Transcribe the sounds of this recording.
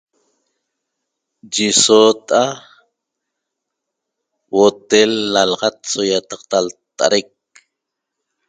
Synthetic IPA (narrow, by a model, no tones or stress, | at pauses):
d͡ʒisot̪ʔa | wot̪elːalɑʁɑt̪sojat̪ɑqt̪alt̪a̰ɾek̚